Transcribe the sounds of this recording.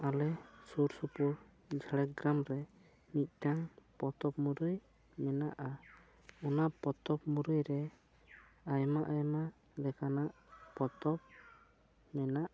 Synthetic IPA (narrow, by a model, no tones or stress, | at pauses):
alɛsuɾsupuɾ | d͡ʒʱaɽɛk̚ɡɾamɾɛ | nit̪̚ˀʈaŋpɔt̪ɔpmuɾuj | mɛna̰ʔa | ɔnaʔpɔt̪ɔpmuɾujɾɛ | ajmaʔajma | lɛkanaʔpɔt̪ɔp̚ | mɛnaʔ